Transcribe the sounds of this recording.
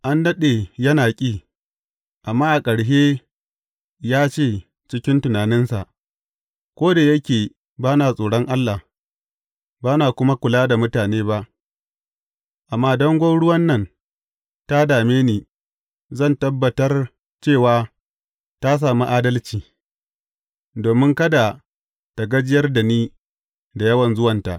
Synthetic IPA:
ʔa˦ndɐ˦ɗeː˨jɐ˦naː˨kʲʼiː˦˨ | ʔa˨mːaː˦ʔa˨kʼɐ˨ɽʃeː˦ | jaː˦t͡ʃeː˦˨ | t͡ʃɪ˦kʲɪ˦ntʊ˨naː˨nɪ˦nsa̰˨ʔ | kʷoː˦da˨jɐ˦kʲeː˨ | baː˦naː˨sʼoː˨ɽɔ˦ŋʔa˦lːa˨ | baː˦naː˨kʷʊ˦ma˦kʷʊ˨laː˦da˨mʊ˦taː˨neː˦ba˦ʔ | ʔa˨mːaː˦dɐ˦ŋɡʷɔ˦nɽʊ˦wɐ˦nːɐ˦˨n | ta˦daː˨meː˦niː˨ | zɐ˦˨ntɐ˦bːɐ˨tɐ˦r | t͡ʃeː˦˨waː˦ | ta˦s̬aː˨mu˦ʔaː˦dɐ˦lt͡ʃiː˨ | doː˨mɪ˦ŋkɐ˦da˨ | ta˨ɡɐ˦d͡ʒɪ˦jɐ˦rda˨niː˦ | da˨jɐ˦wɐ˨nzʊ˦wɐ˨nta̰˨ʔ

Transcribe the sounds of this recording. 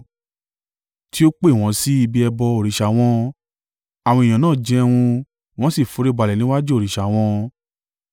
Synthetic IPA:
ti˦o˦k͡pe˦˨w̃ɔ̃˧˦si˦i˧bi˧ɛ˧bɔ˧o˦˨ɾi˨ʃa˨˦w̃ɔ̃˦ | a˨w̃ɔ̃˧˨j̃ã˨nãː˦˨d͡ʒɛ˧wũ˧ | w̃ɔ̃˦si˦˨fu˨˦ɾe˦ba˨˧lɛ˨nĩ˨˦wa˦d͡ʒu˦o˦˨ɾi˨ʃa˨w̃ɔ̃˧˦˧

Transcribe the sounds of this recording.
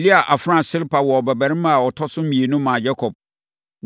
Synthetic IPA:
li˦a˨ʔa˨fɾã˦˨sɪ˦lpʰa˨wɔ˨ɔ˨bɛ˨bæ˨ɪ̃˦mã˦a˨ɔ˨tʰɔ˦sʊ̃˦m̩˦mĩ˨e˨nʊ̃˦mã˨d͡ʑɛ˦kʰɔ˨b̚ | n

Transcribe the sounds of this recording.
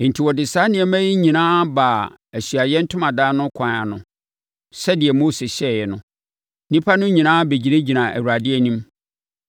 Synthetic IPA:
n̩˨tʰi˨wɔ˨dɪ˨saː˦nɪ̃˨ɛ˨˦mæ̃˦ji˦ɲĩ˨nãː˦baː˨ | æ˨sɥa˨jɛ˦n̩˦tʰʊ̃˦mã˨daː˦nʊ̃˦kʰã˨˦a̰˨nʊ̰̃˨ | sɛ˦dɪ˨ɛ˨mo˦sɪ˨ɕɛ˦˨jɛ˨nʊ̰̃˨ | nĩ˦pʰa˦nʊ̃˦ɲĩ˨nãː˦be˨d͡ʑi˨nẽ˦d͡ʑi˨nã˨ʔæ̰˨wu˨ɾa˨dɪ˦ɛ˦˨nĩ˦m

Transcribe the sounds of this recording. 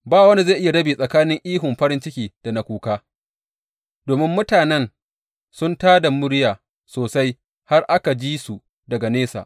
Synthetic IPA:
baː˦wɐ˦ni˦zaː˦˨ʔɪ˦ja˨ɽɐ˦biː˨sʼɐ˨kaː˦nɪ˦ŋʔiː˦ɦʊ˨mɸɐ˦ɾɪ˦nt͡ʃɪ˦kʲiː˨d̥a˨na˨kʷuː˦kaː˦ | d̥oː˨mɪ˦mːʊ˦taː˨nɛ˦n | sʊ˦ntaː˦da˨mʊ˦ɽjaː˨ | soː˨sa˦j | ha˦rʔa˦ka˨d͡ʒiː˦su˨ | dɐ˨ɡa˨neː˦sa̰ː˨ʔ

